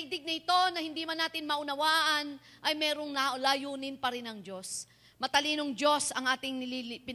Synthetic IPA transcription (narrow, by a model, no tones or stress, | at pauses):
ɪɡ̚d̪ɪɡ̚nɐɪt̪o̞nɐhɪnd̪iːmɐnaːt̪ɪnmɐʔʊnɐwaːʔɐn | ʔɐjmɛːɾo̞ŋnɐlaːjuːnɪnpɐɾɪnɐŋd͡ʒo̞s | mɐt̪ɐliːnoŋd͡ʒo̞sɐŋʔaːt̪ɪŋnɪlipɪ